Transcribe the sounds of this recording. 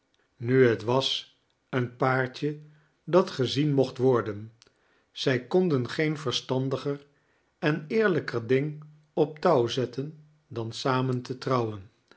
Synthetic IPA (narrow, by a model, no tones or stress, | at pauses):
nyɦətʋɑs | ənpaːɹt͡ʃə | dɑtχəzinmɔχtʋɔɹdən | z̥ɛjkɔndənχejnvəɹstɑndəχər | ɛnɪːɹləkəɹdɪŋ | ɔp̚tɑwzɛtʰən | dɑnsaːməntətrɑwən